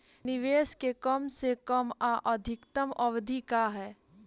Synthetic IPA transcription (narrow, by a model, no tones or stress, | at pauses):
nɪʋeːskekəmsekəmaʔɐd̪ʱɪkt̪əmʔɐʋd̪ʱikaɦɛː